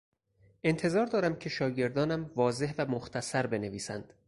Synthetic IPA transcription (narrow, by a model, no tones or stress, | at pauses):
ʔe̞nt̪ʰe̞zɒːɾd̪ɒːɾæmcʰe̞ʃɒːɟe̞ɾd̪ɒːnæmvɒːze̞hvæmoxt̪ʰæsæɾbe̞ne̞viːsæ̰nd̪̥